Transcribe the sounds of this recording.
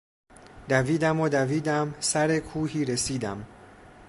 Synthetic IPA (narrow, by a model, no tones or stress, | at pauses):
d̪̥æviːd̪æmod̪æviːd̪æmsæɾe̞kʰuːhiːɾesiːd̪æm